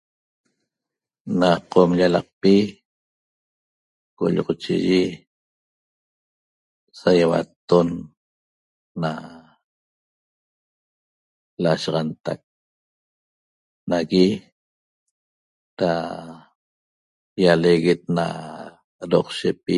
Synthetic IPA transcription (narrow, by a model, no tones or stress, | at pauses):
naqomʎalɑq̚pi | ko̰ʎʁot͡ʃiʒi | sajawa̰t̪on | a | laʃɑʁɑnt̪ak̚ | naɣi | ɾa | jaleɣet̪̚na̰ | ɾoqʃepi